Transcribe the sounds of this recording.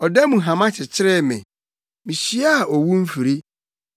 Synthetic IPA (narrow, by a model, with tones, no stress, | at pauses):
ɔ˨dɛ˦mũ˨ɦã˨mã˦t͡ɕʰɪ˨t͡ɕʰɪ˦ɾɛ˦˨mɛ̰̃˨ | mĩ˨ɕi˦a˦a˨ʔɔ˨wu˦m̩˦fi˨ɾi˦